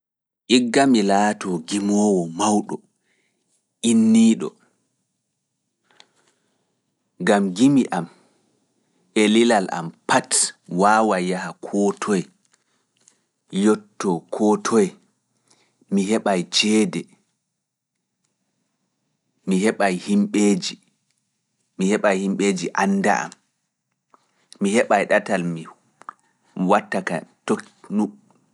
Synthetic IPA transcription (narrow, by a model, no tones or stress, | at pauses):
ʔiɡːamilaːtʰɔɡimɔːwɔmawɗɔ | ʔinːiːɗɔ̰ | ɡamɡimiʔam | elilala̰mpatwaːwajahakʰɔːtʰɔjɛ | jɔtːɔkʰɔtʰɔjɛ | miɦɛɓajd͡ʒɛːdɛ | mihɛɓajhimɓeːd͡ʒi | mihɛɓajhimɓeːd͡ʒiʔanːda̰a̰m | mihɛɓajɗatalmi | watːakato | nu